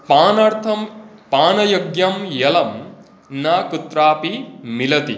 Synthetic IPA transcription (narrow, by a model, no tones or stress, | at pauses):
paːnɐɾt̪ʰɐmpaːnɐjoɡjɐmjɐlɐm | naːkut̪ɾaːpimilɐt̪i